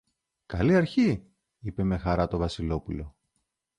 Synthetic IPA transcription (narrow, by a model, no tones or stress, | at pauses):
kɐliɐɾçi | ipe̞me̞xɐɾɐt̪o̞vɐsilo̞pulo̞